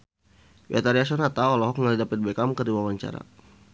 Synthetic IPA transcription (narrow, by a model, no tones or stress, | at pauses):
bɛ̰t̪aɾias̬ɔnat̪aɔlɔɦɔkŋadidapət̪̚bɛkamkədiwawaɲt͡ʃa̰ɾa̰